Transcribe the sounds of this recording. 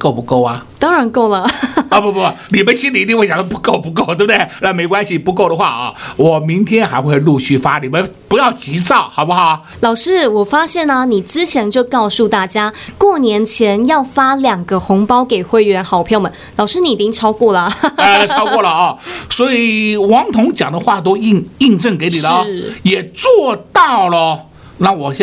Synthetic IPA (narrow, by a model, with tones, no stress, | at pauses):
ko˥˩ʊpu˧˥ko˥˩ʊɐ˩t̪ɑ˥ŋɻa˧˥nko˥˩ʊlə˩˧˥pu˥˩˧ni˨˩mə˦nɕi˥nli˨˧t̪i˥˧ŋwe˥˩ja˨˩d̪ə˥pu˧˥ko˥˩ʊpu˧˥k̬o˥˩ʊt̪e˥˩bə˩d̪ɪɻnme˧˥ɪkwa˥nɕi˨pu˧˥ko˥˩ʊd̪ə˩xwa̰˥˩ɐ˥˧wɔ˨˩mi˧˥ŋt̪ʰjɛ˥nxa˧ɪxwe˥˧ɪlu˥˧ɕy˥˩fa˥li˨˩mə˦npu˧˥jɑ˥˩ʊt͡ɕi˧˥t͡sɑ˥˩ʊxɑ˨˩ʊpu˥xɑ˨˩˦ | lɑ˨˩ʊʂɻ̩˥wɔ˨˩fa˥ɕjɛ˥˩nə˩ni˨˩t͡sɹ̩˥t͡ɕʰjɛ˧˥nt͡ɕjo˥˧ʊkɑ˥˧ʊsu˥˧t̪a˥˩t͡ɕja˥kwɔ˥˩njɛ˧˥nt͡ɕʰjɛ˧˥njɑ˥˩ʊfa˥ljɑ˨˩ŋɡə˦xʊ˧˥ŋpɑ˥ʊke˨˩ɪxwe˥˩ɪɥɛ˧˥nxɑ˨˩ʊpʰjɑ˥˩ʊmə˨˩nlɑ˨˩ʊʂɻ̩˥ni˧˩i˨˩t͡ɕi˥ŋʈ͡ʂʰɑ˥ʊkwɔ˥˩lə˩ə˧ʈ͡ʂʰɑ˥kwɔ˥˩lə˩˥˧swɔ˧˥i˨˩wɑ˧˥ŋt̪ʰʊ˧˥ŋt͡ɕjɑ˨˩ŋd̪ə˦xwa˥˩t̪o˥ʊi˥˧ŋi˥˧nʈ͡ʂɤ˥˩ŋke˧˥ɪni˨˩lə˦˥˩jɛ˨˩t͡swɔ˥˧t̪ɑ˥˩ʊlə˩ | na˥˩wɔ˨˩ɛ˥